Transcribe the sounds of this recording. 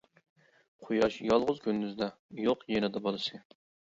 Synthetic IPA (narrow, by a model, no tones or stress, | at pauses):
qʰojɑʃjɑlˠʁʊzkʲynd̪yzd̪ɑjoqjenɨd̪ɑbɑlˠɨʃɨ